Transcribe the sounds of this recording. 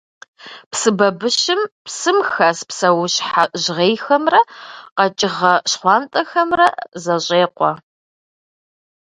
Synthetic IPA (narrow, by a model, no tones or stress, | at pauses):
psɨbɐbɨʃɪmpsɨmxɐspsɐwʊɕħaʑʁeːjxɐmrɐqɐt͡ʃʼɪʁɐɕχʷɑːntʼɐxɐmrɐzɐɕʼeːqʷɔ